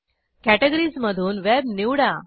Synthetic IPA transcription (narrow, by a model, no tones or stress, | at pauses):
kæʈeɡəɾizməd̪ʱuːnʋebniʋɽa